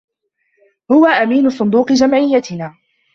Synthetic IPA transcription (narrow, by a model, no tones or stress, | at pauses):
hʊwaʔamiːnʊsˤʊnd̪uːqɨd͡ʒamʕɪjːat̪ɪnaː